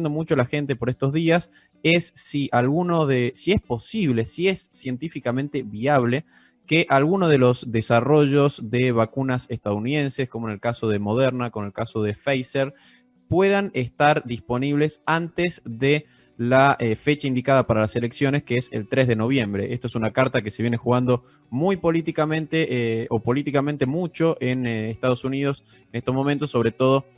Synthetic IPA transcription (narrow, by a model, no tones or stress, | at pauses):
nd̪omut͡ʃoalaxe̞nt̪e̞po̞ɾest̪o̞zðias | esːiʔalɣunoðesie̞spo̞siβ̞le̞siesːjent̪ifikamẽnt̪eβiaβle̞ | keʔalɣunoðe̞lo̞zðesaro̞ʒo̞zðeβakunasest̪aðuniðẽ̞nsesko̞monelkaso̞ðe̞mo̞ð̞eɾnakoonelkaso̞ð̞e̞fejseɾ | pwe̞ðanest̪aɾd̪ispo̞niβle̞sant̪ezðe | laefe̞t͡ʃaind̪ikaðapaɾalase̞le̞ksjo̞neskeesḛlt̪ɾe̞zðe̞no̞βje̞mbɾe̞ʔest̪oesunakaɾt̪akese̞βje̞nexuɣand̪o̞ | mujpo̞lit̪ikamẽ̞nt̪eʔʔopo̞lit̪ikamẽnt̪e̞mut͡ʃo̞ʔenest̪að̞o̞suniðo̞s | enest̪ozmo̞mẽnt̪o̞sːo̞βɾe̞t̪o̞ð̞o̞